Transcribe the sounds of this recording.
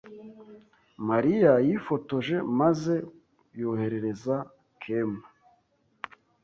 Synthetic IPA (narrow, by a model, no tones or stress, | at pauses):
maɾijajifo̞to̞ʒe̞maze̞ | johe̞ɾe̞ɾe̞za | kʰema